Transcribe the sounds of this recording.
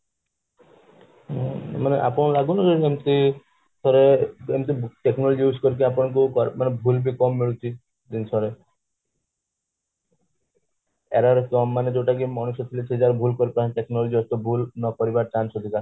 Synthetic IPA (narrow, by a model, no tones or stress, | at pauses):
maneʔa̰pɔɽ̃laɡunakeemt̪i | t̪ʰɔɾeemt̪̬iʈeknɔlɔd͡ʒiuskɔɾik̬iapɔɽ̃ɔ̃kukɔɾmanebʱulbikɔmːiɭut͡ʃʰi | d̪insʰɔɾe | ḛɾaɾkɔmːaned͡ʒeʈak̬imɔɽ̃usɔt̪ʰilesʰed͡ʒaɾbʱulkɔɾipɾaʈeknɔlɔd͡ʒiɔst̪ɔbʱulnɔkɔɾibaʈansɔd̪ʱikaɾ